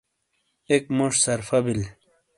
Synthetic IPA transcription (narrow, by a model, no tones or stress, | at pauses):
ekmoʂsɐɾfɐbil